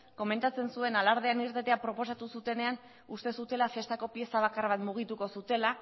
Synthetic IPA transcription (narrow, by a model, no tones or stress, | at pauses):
ko̞me̞nt̪at͡se̞nsue̞nalaɾð̞eaniɾt̪et̪eapɾo̞po̞sat̪usut̪e̞ne̞an | ust̪e̞sut̪e̞lafe̞st̪ako̞pje̞saβ̞akarβat̪muɣ̞it̪uko̞sut̪e̞la